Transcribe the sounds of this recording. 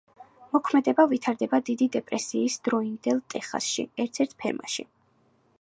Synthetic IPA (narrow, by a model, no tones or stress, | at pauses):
mɔkʰmɛd̪ɛbavit̪ʰaɾd̪ɛbad̪id̪id̪ɛpʼɾɛsiːsd̪̥ɾɔind̪ɛlˠt̪ʼɛχa̰sʃḭɛɾt̪ʰɛɾt̪ʰpʰɛ̰ɾma̰ʃḭ